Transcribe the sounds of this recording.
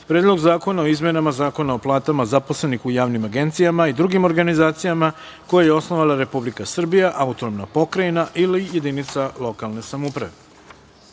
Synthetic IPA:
pɾeːd̪lˠo̞ɡzaːko̞nao̞izmenamazaːko̞naoplˠaːt̪amazaposle̞nixujaːʋnimaɡe̞nt̪sijamaid̪ɾuɡimo̞ɾɡanizaːt̪sijama | ko̞jajeo̞sno̞ʋalˠaɾe̞publikasr̩bijaʔaut̪onomnapo̞kɾainaʔilije̞d̪init̪salˠo̞kalˠne̞samupɾaʋe

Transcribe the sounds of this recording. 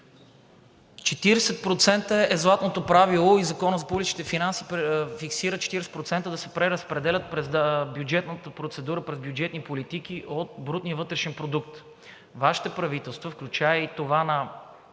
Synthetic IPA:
t͡ʃɛt̪iɾɛsɛt̪̚pɾot̪sɛnt̪əɛzlˠat̪not̪opɾavilˠoizɐkɔnəzɐpublʲit͡ʃi̥t̪ɛfinansipfiksiɾət͡ʃɛ̥t̪iɾɛsɛt̪pɾot̪sɛnt̪əd̪ɐsɛpɾɛɾəspɾɛd̪ɛlʲət̪̚pɾɛzbjud͡ʒɛt̪nət̪əpɾot̪sɛd̪uɾəpɾɛzbʲjud͡ʒɛt̪nipolit̪ikiʔot̪̚bɾut̪nijəvɤt̪ɾɛʃɛnpɾod̪uk̚t̪ | vaʃi̥t̪ɛpɾɐvit̪ɛlˠst̪vəfklʲut͡ʃaɛit̪ovanɐ

